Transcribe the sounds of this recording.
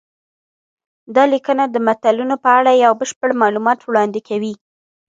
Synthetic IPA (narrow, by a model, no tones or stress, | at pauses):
d̪ɑlikənad̪əmat̪alunopəaɽajawbəʃpəɽmɑlumɑt̪wɽɑnd̪ɪkʰawi